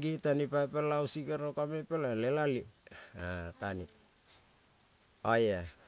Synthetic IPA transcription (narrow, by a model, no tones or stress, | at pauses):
ɡitanipajpelawsikeɾokamepelalelaliatani | aja